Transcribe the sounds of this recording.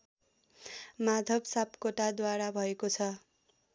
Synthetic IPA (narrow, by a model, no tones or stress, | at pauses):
mad̪ʱʌbsapkoʈad̪waɾabʱʌekot͡sʰʌ